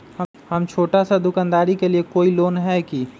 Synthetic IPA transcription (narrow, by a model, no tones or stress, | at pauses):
hə | həmt͡ʃʰoːʈasad̪ʊkaːnd̪aːɾikeliekoːiloːnɦɛki